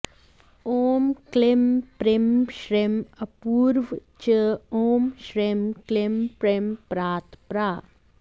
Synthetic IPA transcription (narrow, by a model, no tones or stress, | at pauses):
oːmklempɾemʃɾemɐpuːɾʋt͡ʃəoːmʃɾemklempɾempɾaːt̪pɾaː